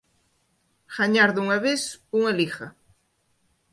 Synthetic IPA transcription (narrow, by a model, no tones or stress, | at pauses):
xaɲaɾðuŋɐβesuŋalixɐ